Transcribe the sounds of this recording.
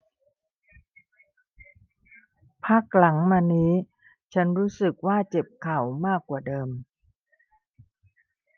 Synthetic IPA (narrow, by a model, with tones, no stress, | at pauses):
pʰa˦˥˩k̚la˩˦ŋmaː˧niː˦˥ | t͡ɕʰa˦˥nɾuː˦˥sɯ˨˩k̚waː˥˩t͡ɕe˨˩p̚kʰa˨˩wmaː˥˩kːwaː˨˩dɤː˧m